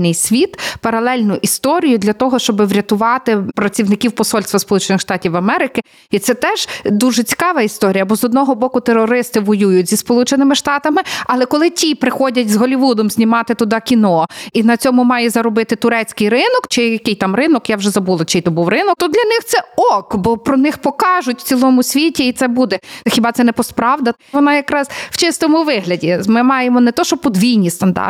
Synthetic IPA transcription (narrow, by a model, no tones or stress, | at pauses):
nɪjsʲʋʲit̪pɐɾɐlˠɛlʲnʊʔist̪ɔɾʲijʊd̪lʲɐt̪ɔɦɔʃt͡ʃɔbɪʋɾʲɐt̪ʊʋɑt̪ɪpɾɐt͡sʲiwnɪkʲiwpɔsɔlʲst̪ʋɐspɔlˠut͡ʃenɪxʃt̪ɑtʲiwɐmɛɾɪkɪ | it̪sɛt̪ɛʒ̥d̪uʒɛt͡sʲi̥kɑʋɐist̪ɔɾʲijɐbɔzɔd̪nɔɦɔbɔkʊt̪eɾɔɾɪst̪ɪʋɔjujʊtʲzʲispɔlˠut͡ʃenɪmɪʃt̪ɑt̪ɐmɪɐlˠɛkɔlˠɪtʲipɾɪxɔdʲɐtʲzɦɔlʲiʋud̪ɔmzʲnʲimɑt̪ɪt̪ʊd̪ɑkʲinɔinɐt͡sʲɔmʊmɑjɛzɐɾɔbɪt̪ɪt̪ʊɾɛt͡sʲkɪjrɪnɔkt͡ʃɪjɐkɪjt̪ɑmrɪnɔkjawʒɛzɐbulˠɐt͡ʃɪjt̪ɔbuwɾɪnɔkt̪ɔd̪lʲɐnɪxt̪sɛɔkbɔpɾɔnɪxpɔkɑʒʊtʲw̥t͡sʲilˠɔmʊsʲʋʲitʲiːt̪sɛbud̪ɛxʲibɑt̪sɛnɛpɔspɾɑʋd̪ɐ | ʋɔnɑjɐkɾɑzwt͡ʃɪst̪ɔmʊʋɪɦlʲɐdʲimɪmɑjemɔnɛt̪ɔʃt͡ʃɔpɔd̪ʋʲijnʲist̪ɐnd̪ɑ̰r